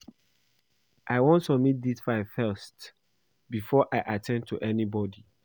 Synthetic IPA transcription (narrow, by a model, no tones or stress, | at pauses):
ʔaɪwõntsɔbmit̚d̪isfãɪfɜst | bifɔʔaɪʔatʰɛ̃ndtʰuʔɛnibɔdi